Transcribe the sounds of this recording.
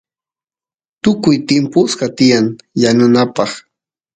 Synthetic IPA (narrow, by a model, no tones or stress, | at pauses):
t̪ʊkʊjt̪ɪmpʊsɢat̪ɪjaŋjanʊnapɑχ